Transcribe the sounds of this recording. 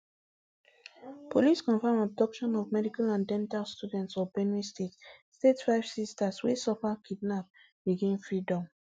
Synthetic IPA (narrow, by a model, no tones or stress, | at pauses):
pʰoliskɔ̃nfamɔb̚dɔkʃɔ̃nɔvmɛdikalãndɛ̃ntalstjudɛ̃ntsɔbɛ̃nɹistetstetfaɪvsistaswisɔpakʰidnap̚ | biɡĩnfɹidɔ̃m